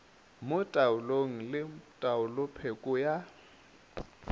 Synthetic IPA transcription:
mʊtʼaʊloŋ̩lɪtʼaʊlʊpʰekʼʊja

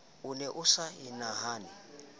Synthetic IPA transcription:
ulɛʔʊsainaɦaːni

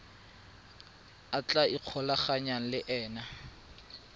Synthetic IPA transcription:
at͡ɬʼaiq͡χʰɔlaχaɲan̩lɪʔɛːna

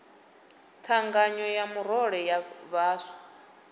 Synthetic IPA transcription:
tʰaŋɡaɲɔjamuɾɔɺɛjaβaːsḁ

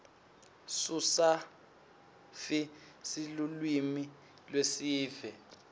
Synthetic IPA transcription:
susa | fi | silulwimi | lwesiːvɛ

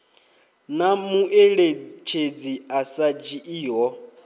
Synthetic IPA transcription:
namuʔeɺet͡ʃʰed͡ziasad͡ʒiʔiːɦɔ

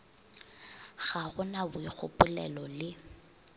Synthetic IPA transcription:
ɣaɣʊnabʊik͡xʊpʼʊlɛlɔlɪ

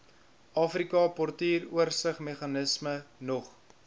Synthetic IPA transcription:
ʔɑːfrikɑpɔrtiːruərsəχmeχɑnəsmənɔχ

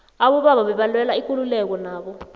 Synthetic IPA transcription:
aɓɔɓaɓaɓɛɓalwɛlaikʼululɛk̬ɔnaːɓɔ

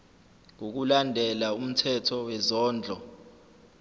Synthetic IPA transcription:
ŋok̬ulandʱɛlaum̩tʰɛtʰɔwɛzɔːnd͡ɮʱɔ

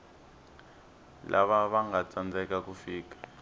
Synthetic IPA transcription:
lʔa̰βaβaŋɡat͡sʼand͡zʱɛkakufiːk̬ḁ

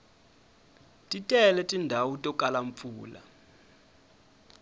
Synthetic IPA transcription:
tʼitʼɛlɛtʼindʱawutʼɔkʼalaɱfuːla̰

